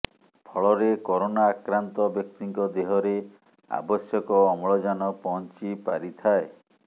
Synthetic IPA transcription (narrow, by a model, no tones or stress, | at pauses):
pʰɔɭɔɾekɔɾonaːkɾant̪ɔbjɔk̚t̪iŋkɔd̪eɦɔɾe | a̰bɔsjɔkɔːmɔɭɔd͡ʒanɔpɔnt͡ʃipa̰ɾit̪ʰae